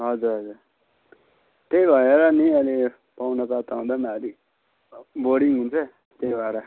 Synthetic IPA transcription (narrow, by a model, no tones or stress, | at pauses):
ɦʌd͡zuɾɦʌd͡zur | t̪ejbʱʌeɾʌniʌle | pawnʌpat̪aũd̪amaɾi | boɽiŋɦunt͡sʰʌ | t̪ejbʱʌeɾʌ